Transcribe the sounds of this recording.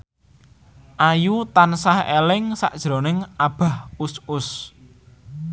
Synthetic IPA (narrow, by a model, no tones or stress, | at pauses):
ʔajut̪ansahḛlɪŋsa̰ʔd̥ʒ̥ɾonɪŋʔab̥a̤husʊs